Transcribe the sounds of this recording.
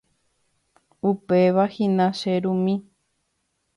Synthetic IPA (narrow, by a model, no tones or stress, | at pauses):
upeʋahĩnãʃeɾũmĩ